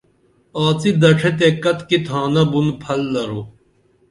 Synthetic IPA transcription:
aːt͡sid̪ɐʈʰet̪̬ekɐt̪kit̪ʰaːnɐbunpʰɐlːɐɾo

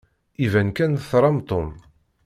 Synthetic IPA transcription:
ivænkænθɾˤɑmt̪ˤom

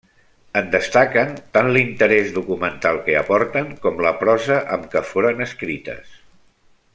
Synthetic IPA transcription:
ənd̪əst̪akənt̪anlint̪əɾɛzðukumənt̪alˠkəəpɔɾt̪əŋkɔmləpɾɔzəʔəmkəfoɾənəskɾit̪ə̰s

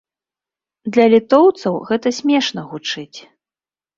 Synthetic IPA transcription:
d̪lʲɐlʲit̪ɔwt̪sɐwɣɛt̪ɐsʲmʲɛʂn̪ɐɣut͡ʂɨt͡sʲ

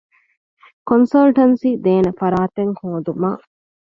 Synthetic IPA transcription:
konsɐlʈɐnsiːd̪eːnɐfɐɾaːt̪eŋhoːd̪uma̰ː

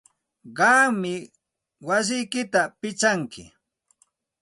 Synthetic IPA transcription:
ɢɑːmɪ | was̬ɪjkɪt̪apɪt͡ʃaŋkɪ̰

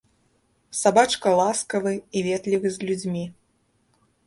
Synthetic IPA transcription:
sabat͡ʂkɐlˠaskɐvɨivʲɛt̪lʲivɨzʲlʲud͡zʲmʲi

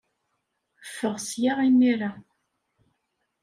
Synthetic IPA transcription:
fːəʁsjaʁinːiɾa

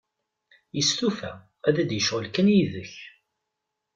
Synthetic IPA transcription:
jəst̪ufæ | æðæd̪jəʃʁəlkənjiðəç

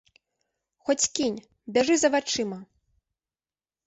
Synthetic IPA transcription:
xɔt͡sʲkʲinʲ | bʲaʐɨzɐvat͡ʂɨmɐ

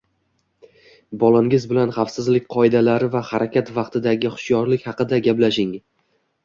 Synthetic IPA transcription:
bɒlˠaŋʲɪzbɪlanχɑfsɪzlɪk̚ʲqʰɒɪd̪alaɾɪvahaɾakʲat̪vɑqt̪ʰɪd̪aɡʲɪχʊ̥ʃjɒɾlɪkʲhɑqɨd̪aɡʲaplaʃɪŋ

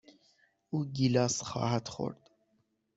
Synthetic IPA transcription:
uːɡilɒːsxɒ̰ːhæd̪xo̰ɾd̪̥

